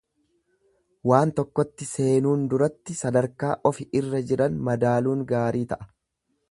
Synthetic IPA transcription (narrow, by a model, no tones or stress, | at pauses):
waːnt̪ɔkːɔt̪ːɪse̞ːnuːnd̪ʊɾɐt̪ːɪsɐd̪ɐɾkaːʔɔfɪʔɪrːɐd͡ʒɪɾɐnmɐd̪aːluːŋɡaːɾiːt̪ɐʔɐ̥